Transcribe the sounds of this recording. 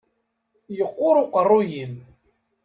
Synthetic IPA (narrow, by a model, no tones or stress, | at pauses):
jəqːʊɾˤʊqərˤːʊjin